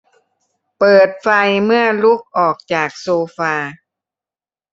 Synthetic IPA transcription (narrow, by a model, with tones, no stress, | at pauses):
pɤː˨˩t̪̚fa˧jmɯ˥˩ɐlu˦˥˩k̚ʔɔː˨˩k̚t͡ɕaː˨˩k̚soː˧faː˧